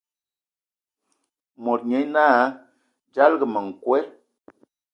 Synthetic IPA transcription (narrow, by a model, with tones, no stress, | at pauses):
mɔ˨t̚ɲɛ˨˦naː˦ | d͡ʒa˦lɡə˨mə˨ŋ̩˨kwɛ˦